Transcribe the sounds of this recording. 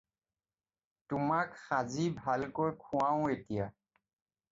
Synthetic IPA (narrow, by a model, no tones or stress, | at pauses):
tʊmakxazibʱalkojkʰʊwaʊ̃etija